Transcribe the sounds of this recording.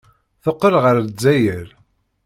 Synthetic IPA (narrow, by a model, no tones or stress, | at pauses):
θoqːəlʁəɾd͡zːæjəɾ